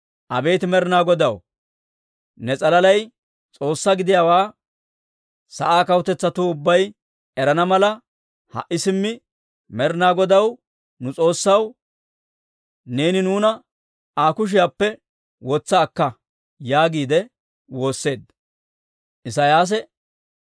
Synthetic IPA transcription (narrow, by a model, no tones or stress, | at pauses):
ʔɐbe̞ːt̪ɪmɛɾɪnaːɡɔd̪ɐw | nɛt͡sʼɐlɐlɐj | t͡sʼo̞ːsːaɡɪd̪ɪjaːwaː | sɐʔaːkɐwt̪ɛt͡sːɐt̪uːʊbːɐj | ɛɾɐnɐmɐlɐ | hɐ̰ʔːɪsɪmːɪ | mɛɾnaːɡɔd̪ɐw | nʊt͡sʼo̞ːsːɐw | ne̞ːnɪnuːnɐ | aːkʊʃ̬ɪjapːɛ | wɔt͡sːɐːkːɐ | jaːɡiːd̪ɛ | wo̞ːsːe̞ːd̪ | ʔɪs̬ajaːs̬ɛ